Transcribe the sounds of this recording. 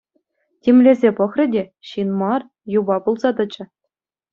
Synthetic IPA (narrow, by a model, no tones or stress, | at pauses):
tʲemʲlʲezʲepɤ̆χrʲɘ̆dʲeɕinmɑr | jubɑpulˠzɑt̪ɤ̆t͡ɕɘ̆